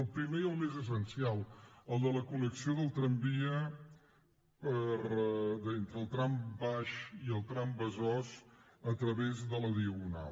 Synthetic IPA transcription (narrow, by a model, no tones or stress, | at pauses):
lˠpɾimeəlˠmezəs̬ənsialˠəlˠd̪ələkuləksioðəlˠt̪ɾəmbiə | pəɾd̪ent̪ɾəlˠt̪ɾambaʃiəlˠt̪ɾambəzɔzət̪ɾəβezðələðiəɣuna̰l